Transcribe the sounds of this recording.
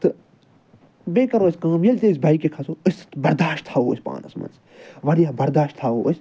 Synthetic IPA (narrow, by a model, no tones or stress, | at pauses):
t̪ɨ | beːkɐɾoːɐsʲkãːmjɐlʲt̪es̬bʱaikekʰɐsoɨsʲt̪bɐɾd̪aːʃtt̪ʰaːoːsʲpa̰ːnɐ̰smɐ̰ns | ʋɐɾijaːbɐɾd̪aːʃt̪ʰaːoːʔsʲ